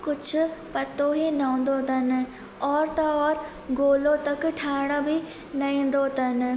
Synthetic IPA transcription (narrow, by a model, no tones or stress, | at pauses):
kʊd͡ʑʱʊ̆pɐt̪oːɦenɐõːn̆d̪ot̪ʰɐnɪ̆ | ɔːɾt̪ɐɔːɾ | ɡoːlot̪ɐk̆ʈʰaːɪɽ̃əbɪ | nɐĩːnd̪oːt̪ɐnɪ̆